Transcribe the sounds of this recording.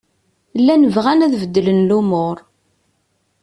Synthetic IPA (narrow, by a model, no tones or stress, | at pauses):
lːænəvʁænæðvəd̪ːlənlumʊɾˤ